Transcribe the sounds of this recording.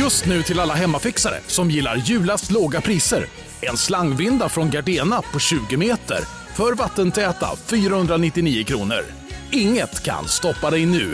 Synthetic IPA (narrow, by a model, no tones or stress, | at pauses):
jɵst̪nʉ̟ːt̪ʰɪlalːaɦɛmːafɪksaɾə̰sɔmjɪlːa̰ɾjʉ̟ːlast̪loːɡapʰɾiːsə̰ɾ | ɛnslaŋːvɪnd̪afɾɔnɡaɖeːnapʰɔɕʉ̟ːɡəmeːt̪ə̰ɾ | fœɾvat̪ːənt̪ʰɛːt̪a̰fyːɾahɵnd̪ɾanɪt̪ːɪniːəkʰɾṵːnə̰ɾ | ɪŋːət̪kʰa̰nst̪ɔpːad̪ɛjnʉ̟ː